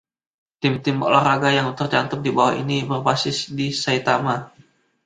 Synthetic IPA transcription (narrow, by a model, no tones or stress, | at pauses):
t̪ɪmt̪ɪmbɔ̰ʔlarɾaɡajaŋt̪ərt͡ʃant̪ʊk̚dibawa̰ḭnibərbasɪsdisait̪ama